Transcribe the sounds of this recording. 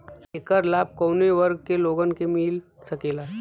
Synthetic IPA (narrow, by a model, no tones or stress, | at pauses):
ekəɾlaːb̚kɐːneʋəɾɡ̚keloːɡənkemiːl | sɐkeːlaː